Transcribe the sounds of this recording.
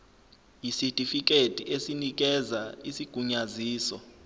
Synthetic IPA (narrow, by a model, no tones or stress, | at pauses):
jisitʼifik̬ʼetʼiesinik̬ʼɛzaisiɡ̥ʱuɲaziːsɔ